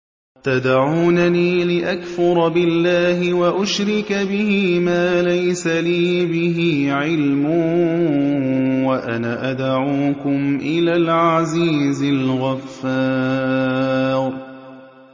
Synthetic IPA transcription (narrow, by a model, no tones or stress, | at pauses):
t̪ad̪ʕuːnaniːlɪʔakfʊɾˤbɪlːaːɦɪwaʔʊʃɾɪkabɪɦiːmaːlajsaliːbɪɦiːʕɪlmʊ | waʔanaʔad̪ʕuːkʊmʔɪlaːlʕaziːzɪlɣafːaː | ɾ